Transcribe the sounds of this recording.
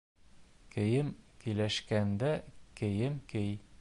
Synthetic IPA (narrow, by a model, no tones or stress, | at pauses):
kɘ̆jɘmkɘ̆læʃkænd̪ækɘ̆jɘmkɘj